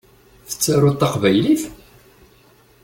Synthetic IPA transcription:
θə̥t͡sːaɾʊt̪ːɑqvæjliθ

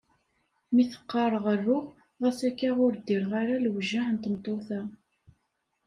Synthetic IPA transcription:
miθə̥qːɑɾˤəʁərːʊʁ | ʁæsækːaʁʊɾd̪iɾʁaɾalwʒːaħənt̪mt̪ˤːoθæ

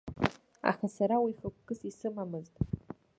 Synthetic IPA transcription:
a̰χasaɾawiχakʷʰkɨsisɨmamɨztʼ

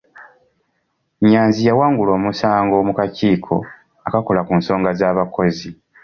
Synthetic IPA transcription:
ɲaːnzijawaːŋɡulo̞ːmusaːŋɡoːmukaciːkʰo̞̰ | akakolakunso̞ːŋɡazaːβako̞zi

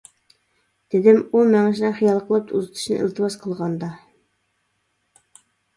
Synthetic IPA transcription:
d̪̥ɪd̪ɪmumɛŋɪʃnɨχijɑlˠqʰəlˠɨp̚uzɨt̪ʰu̥ʃnɨ̰ʔḭlˠt̪ʰɨwɑz̥qʰəlˠʁɑnd̪ɑ

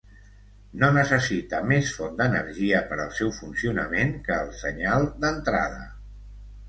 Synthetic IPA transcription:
nonəsəsit̪əmesfɔnd̪ənə̰ɾʒiəpəɾəlˠsɛwfunsiunəmeŋkəːlˠsəɲalˠd̪ənt̪ɾa̰ðə̰

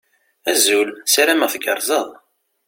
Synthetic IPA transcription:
æzulsɾæməʁθɡəɾˤzˤəðˤ

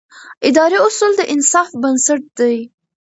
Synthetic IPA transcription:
ɪd̪ɑɾiʊsuld̪əʔɪnsɑfbənsaʈ̚d̪aj

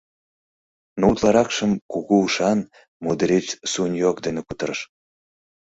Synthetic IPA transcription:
nout̪lɑɾɑkʃəmkuɣuuʃɑn | mud̪əɾet͡ɕsunʲjokd̪enekut̪əɾəʃ

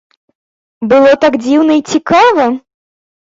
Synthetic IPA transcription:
bɨlˠɔt̪aɡd͡zʲiwnɐit͡sʲikavɐ

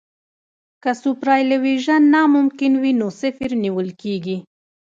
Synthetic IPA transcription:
kasupɾɑjlaweʒanːɑmʊmkɪnwinosɪfɪɾniwəlkeɡi

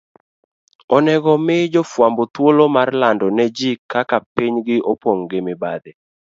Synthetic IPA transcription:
ɔnɛɡɔmɪd͡ʒɔfwambɔt̪wolomarlandɔnɛd͡ʒikakapiɲɡɪʔopwoŋɡɪmɪbad̪ɪ

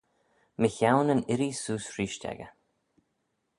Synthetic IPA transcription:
məçawnənɪɾisuːsɹiːʃtʲɛ̰ɡə̰

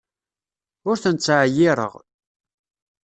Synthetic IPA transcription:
ʊɾθənt͡sːʕjiɾˤə̰ʁ

